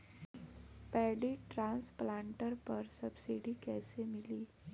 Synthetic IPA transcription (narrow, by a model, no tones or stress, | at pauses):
pɛɽiːʈɾãnsplaɳʈəɾpəɾsəbsiɖiːkɛsemiliː